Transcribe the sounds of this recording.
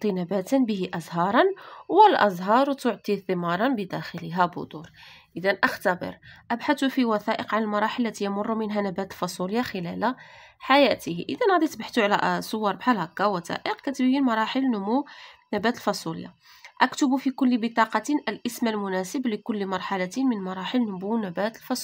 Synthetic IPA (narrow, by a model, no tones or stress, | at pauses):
t̪ˤːinæbæt̪ənbəɦiʔɑzˤɦɑɾˤɑnwəlʔɑzˤɦɑɾˤwt̪ʊʕt̪ˤiθəmɑɾˤɑnbəd̪æxələɦæbʊ̰d̪uɾˤ | ʔəd̪ænʔəxt̪æbə̰ɾʔæbħat̪ufiwæθæʔəqʕanəlmɑɾˤɑħəlːæt̪ijəmʊrˤːumənɦænæbæt̪əlfɑsˤuljaxəlæl | ħajæt̪əhʔəd̪ænɣæd̪it̪baħt̪uʕlæʔsˤowːɑɾˤbħalækːawæt̪æ̰ʔəqkæt̪bjinmɑɾˤɑħəlnʊmuwnæbæt̪əlfɑsˤulja̰ | ʔækt̪ʊbufikʊlːbət̪ˤɑqɑt̪inʔəlʔəsmælmʊnæsəbləkʊlːmɑɾˤħalæt̪inmənmɑɾˤɑħəlnʊmuwnæbæt̪lfɑsˤ